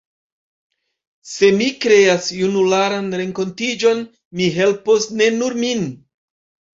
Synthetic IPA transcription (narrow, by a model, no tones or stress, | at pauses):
se̞mikɾe̞asjunulaɾanɾe̞ŋko̞ntid͡ʒo̞n | miɦe̞lposne̞nuɾmin